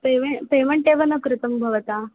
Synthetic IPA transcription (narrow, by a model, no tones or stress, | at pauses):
peʋepeʋəɳʈeʋɐnɐkɾut̪ɐmbʱɐʋɐt̪a